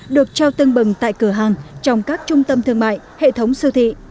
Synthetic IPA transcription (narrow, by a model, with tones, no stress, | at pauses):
ɗɨ˨˩ək̚t͡ɕa˧wt̪ɨ˧ŋɓɨ˨˩ŋt̪a̰ː˧˨jkɨ˧˩əɦaː˨˩ŋt͡ɕɔ˧wŋ͡mkaː˦˥k̚t͡ɕʊ˧ŋ͡mt̪ə˧mt̪ʰɨ˧əŋma̰ː˧˨jhḛ˧˨t̪ʰə˨˦wŋ͡msɨ˧t̪ʰḭ˧˨